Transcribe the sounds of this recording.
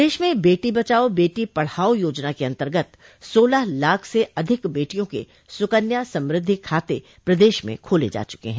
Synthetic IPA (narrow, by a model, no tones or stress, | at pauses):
eːʃmẽbeːʈibɐt͡ʃaːobeːʈipɐɽ̤aːojoːd͡ʒnakeɐ̃nt̪əɾɡət̪ | soːlaɦlaːkʰseʔɐd̪ʱɪkbeːʈijõkḛ | sʊkənjasɐ̃mɾɪd̪ʱːikʰaːt̪e | pɾɐd̪eːʃmḛ̃kʰoːlḛd͡ʒa̰ːt͡ʃʊ̥kḛɦɛ̃ː